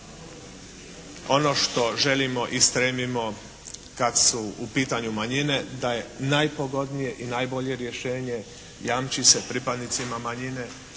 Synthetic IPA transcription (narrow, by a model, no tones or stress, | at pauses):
o̞no̞ʃt̪o̞ʒe̞limo̞ʔist̪ɾemimo̞ | kad̪suupiːt̪aɲumaɲine̞d̪aje̞najpo̞ɡo̞d̪nije̞ʔinajbo̞ʎe̞ɾje̞ʃe̞ːɲe̞ | jaːmt͡ʃise̞pɾipad̪nit̪simamaɲine̞